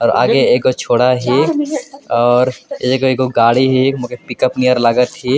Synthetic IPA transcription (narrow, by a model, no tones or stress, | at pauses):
ɔːɾa̰ːɡeeːkːot͡ʃʰoːɽaɦiːkɔːɾeːkoeːkoɡaːɽiɦiːkmũkepɪkəpnijəɾləɡət̪ɦiː